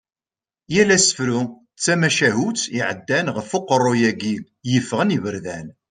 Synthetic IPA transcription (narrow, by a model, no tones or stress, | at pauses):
jælæsə̥fɾu | t͡sːæmæʃæɦut͡siʕəd̪ːænʁəfoqərˤːojæɡil | jəfːəʁənivəɾðæn